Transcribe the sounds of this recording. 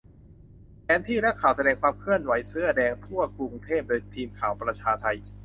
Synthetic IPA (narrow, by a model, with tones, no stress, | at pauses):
pʰɛː˨˦˥nt̪ʰiː˥˩na˦˥kʰːaː˩˦wsa˧dɛː˧ŋkʰwaː˧mkʰɯ˥˩ənwa˩˦jsɯ˦˥˩ɐdɛː˧ŋt̪ʰu˥˩ɐku˧ŋt̪ʰeː˥˩p̚doː˧jt̪ʰiː˧mkʰaː˩˦wpɾa˧t͡ɕʰaː˧t̪ʰa˧j